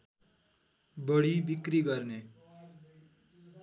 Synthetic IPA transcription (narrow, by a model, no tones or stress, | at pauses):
bʌɽibikɾiɡʌɾne